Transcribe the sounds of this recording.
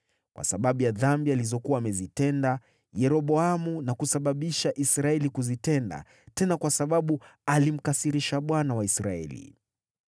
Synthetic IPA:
kwa̰saɓaɓujaðambializɔkuaːmɛzitɛnda | jɛɾɔɓɔamunakusaɓaɓiʃaʔisɾaɛlikuzitɛnda̰ | tɛnakwasaɓaɓualim̩kasiɾiʃaɓwanawaisɾaɛ̰lḭ

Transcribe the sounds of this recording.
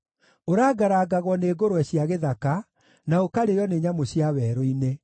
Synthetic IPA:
oɾaːɡaɾaːɡaɣwɔneːɡoɾoɛɕiaɣeðaka | naokaɾejɔneɲamoɕjawɛːɾoine

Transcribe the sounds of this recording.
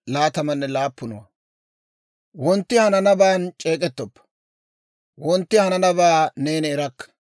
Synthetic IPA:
laːt̪ɐmɐnːɛlaːpːʊnʊ̰wɐ̰ | wɔnt̪ːɪhɐnɐnɐbaːnt͡ʃʼe̞ːkʼɛt̪ːɔpː | wɔnt̪ːɪhɐnɐnɐbaːneːnɛːɾɐkːɐ̥

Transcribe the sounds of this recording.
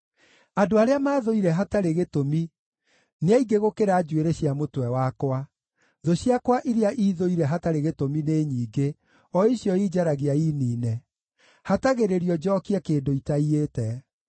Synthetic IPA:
adoaɾeamaːðoiɾɛɦataɾeɣetomi | neaiɡeɣokeɾad͡ʒweɾeɕjamotwɛwakwa | ðoɕjakwaʔiɾeaʔiðoiɾɛɦataɾeɣetomineɲiːɡe | ɔiɕjɔiːd͡ʒaɾaɣeaiːniːnɛ | hataɣeɾeɾiɔd͡ʒɔkiakeːdoitaietɛ

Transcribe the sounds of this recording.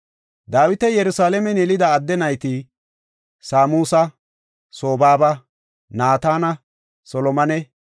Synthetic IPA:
d̪aːwɪt̪ɛjɛɾʊsaːlɛmɛnɛlɪd̪ɐːd̪ːɛnɐjt̪ɪ | saːmuːsɐ | so̞ːbaːbɐ | naːt̪aːnɐ | sɔlɔmɐnɛ

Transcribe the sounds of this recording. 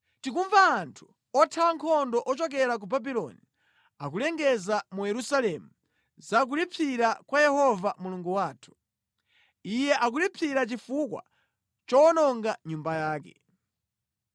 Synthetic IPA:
tikuɱvaːntʰu̥ | ɔtʰawaŋkʰɔndɔʔɔt͡ʃɔkɛɾak̬ubabilɔ̰ni | ak̬ulɛŋɡɛzamujɛɾusalɛmu | zak̬ulipʰiɾakwajɛhɔvamuluŋɡuwaːtʰu̥ | ijɛʔak̬ulipʰiɾat͡ʃifukwa̰ | t͡ʃɔɔnɔŋɡaɲumbajaːkɛ̰

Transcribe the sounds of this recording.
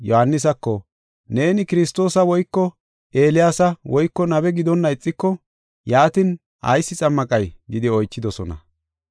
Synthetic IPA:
jɔhɐnːɪs̬ɐkːɔ | ne̞ːnɪkɪɾɪst̪o̞ːsɐwɔjkːɔ | e̞ːlɪjaːsɐwɔjkːɔnɐbɛɡɪd̪ɔnːɐɪt͡sʼːɪkːɔ | jaːt̪ɪn | ɐ̰jsːɪt͡sʼɐmːɐkʼɐjɡɪd̪ɪɔjt͡ʃːɪd̪ɔsɔnɐ̰

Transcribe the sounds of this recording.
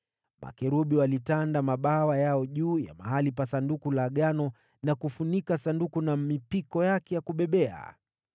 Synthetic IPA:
mʔa̰kɛɾuɓiwalitandamaɓawajaɔʄuːja̰ma̰ɦalipasandukulaɠanɔ | nakufunikasandukunamipikɔjakɛjakuɓɛɓɛa̰

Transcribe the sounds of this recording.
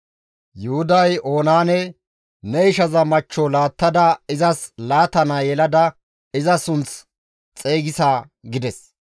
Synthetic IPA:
jʊhʊd̪ɐjʔo̞ːnaːnɛ | nɛɪʃɐzɐmɐt͡ʃːɔlaːt̪ːɐd̪ɐɪzɐslaːt̪ɐnajɛlɐd̪ɐ | ɪzɐsʊnt͡s | t͡sʼeːɡɪsaː | ɡɪd̪ɛs

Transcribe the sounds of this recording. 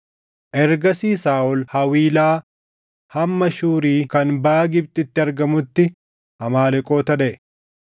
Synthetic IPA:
ʔɛɾɡɐsiːsaːʔʊlhɐwiːlaː | hɐmːɐʃuːɾiːkɐnbaːɡɪb̚t̪ʼɪɪt̪ːɪɐɾɡɐmʊt̪ːɪ | hɐmaːlɛkʼo̞ːt̪ɐᶑɛɛ

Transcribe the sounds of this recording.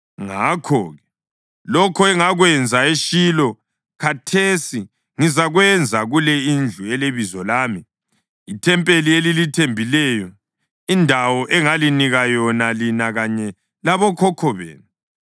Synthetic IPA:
ŋakʰɔːɣɛ | lɔkʰɔɛŋaɣwɛnd͡zʱaeʃilɔ | kʰatʰesi | ŋizaɣwɛnd͡zʱaɣulɛind͡ɮʱuɛleβizɔlaːmi | itʰɛmpʼelielilitʰembʱilɛjɔ | indʱawɔʔɛŋaliniɣajɔnalinaɣaɲɛ | laβɔkʰɔkʰɔβḛːnu

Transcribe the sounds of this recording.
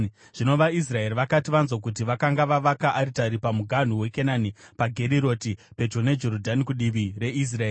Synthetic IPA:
ʐ̥ino̞ʋais̬rae̞riʋakatiʋanzwok̬utiʋakaŋɡaʋaʋakaʔːɾitaɾipamuɡʱan̤uwe̞kenanipaɡʱe̞ɾiɾo̞tipe̞d͡ʒo̞ne̞d͡ʒe̞ɾodʱanikuɗiʋire̞is̬raeːii

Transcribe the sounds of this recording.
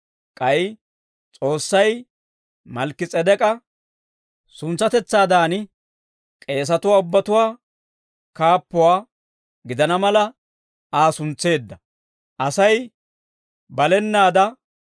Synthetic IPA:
kʼɐj | t͡sʼo̞ːsːɐj | mɐlkːɪt͡sʼɛd̪ɛkʼɐ | sʊnt͡sːɐt̪ɛt͡sːaːd̪aːnɪ | kʼe̞ːs̬ɐt̪ʊwaːʊbːɐt̪ʊwaː | kaːpːʊwaː | ɡɪd̪ɐnɐmɐlɐ | aːsʊnt͡sːe̞ːd̪ːɐ | ʔɐsɐj | bɐlɛnːaːd̪ɐ

